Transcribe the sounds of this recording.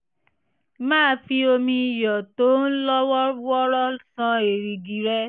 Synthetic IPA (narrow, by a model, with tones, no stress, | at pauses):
mãː˦˨˦fi˧o˧mĩ˧i˨jɔ˨to˨˦n̩˦lɔ˦wɔ˦wɔ˦ɾɔ˦sã˧e˨ɾi˨di˨ɾɛ˦